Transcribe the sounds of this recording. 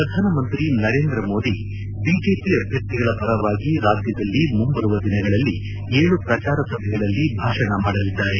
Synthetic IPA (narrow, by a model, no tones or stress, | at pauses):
pɾɐd̪ʱaːnɐmɐnt̪ɾinɐɾe̞ːnd̪ɾɐmo̞ːd̪i | biːd͡ʒe̞ːpiɐbʱjɐk̚t̪iɡɐɭɐpɐɾɐʋaːɡiɾaːd̪jɐd̪ɐlːimumbɐɾuʋɐd̪inɐɡɐɭɐlːi | eːɭupɾɐt͡ʃaːɾɐsɐbʱɛɡɐɭɐlːibʱaːʂɐnɐmaːɽɐlid̪ːaːɾe